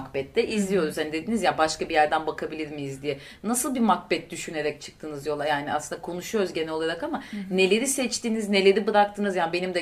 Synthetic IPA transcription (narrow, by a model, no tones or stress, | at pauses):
kbɛt̪lɛʔizlʲijo̞ɾuzhanid̪e̞d̪inizjabaʃkabijæɾd̪ænbakʰabilʲiɾmijizd̪ijɛ | nasɯlˠbimak̚bɛt̪̚d̪yʃyne̞ɾɛc̚t͡ʃʰɯ̥k̚t̪ʰɯnɯzjo̞lˠajaːnia̰sɯnd̪akʰo̞nuʃujoɾuzɟe̞nɛlo̞lˠaɾakamane̞lʲe̞ɾisɛt͡ʃt̪iːnizne̞lʲe̞ɾibɯɾak̚t̪ʰɯnɯzjaːnbe̞nimd̪ɛ